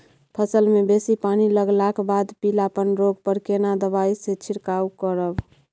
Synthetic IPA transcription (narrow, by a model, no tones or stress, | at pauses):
pʰəsəlmebesipaniləɡlakbad̪pilapənɾoɡpəɾkenad̪əbaiset͡ʃʰiɾkaukəɾəb